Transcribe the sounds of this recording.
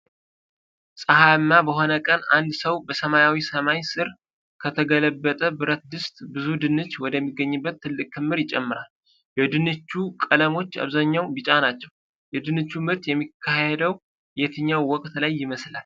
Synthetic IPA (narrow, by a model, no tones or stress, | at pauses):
sʼəhaɨnːabəɦo̞nəkʼənand̪səwbəsəmajawisəmajsɨɾ | kʰət̪ʰəɡələbːət̪ʼəbɨɾət̪̚d̪ɨst̪ʼbɨzud̪ɨnɨt͡ʃːwɔd̪əmːiɡːəɲːɨbːət̪ʰːɨlːɨkʼk̪ʰɨmːɨɾjɪt͡ʃʼɛmːɨɾal | jɛd̪ɨnɨt͡ʃːukʼələmo̞t͡ʃːa̰βzaɲːawbɨt͡ʃʼanat͡ʃːɛw | jɛd̪ɨnɨt͡ʃːumɨɾt̪jɛmːikʰːahed̪əw | jɛt̪ʰɨɲːawːɔkʼt̪lajːɪməslal